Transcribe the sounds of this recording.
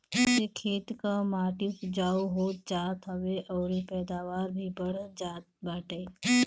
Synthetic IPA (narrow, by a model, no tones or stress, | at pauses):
sekʰeːt̪kamaːʈikd͡ʒaːoɦoːt̪̚d͡ʒaːt̪ɦɐʋeʔɔːɾepɛːd̪aːʋaːɾbʱibɐɽ̤d͡ʒaːt̪baːʈeː